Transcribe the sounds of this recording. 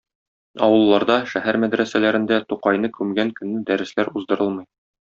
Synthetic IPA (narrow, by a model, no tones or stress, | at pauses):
ɒwɤ̆lˠːɑɾd̪ɑʃæɦæɾmæd̪ɾæsælæɾɘ̆nd̪æt̪uqɑjnɤkʉmɡæŋkɵ̆nːɘd̪æɾɘ̆slæɾuzd̪ɤ̆ɾɤlˠmɤj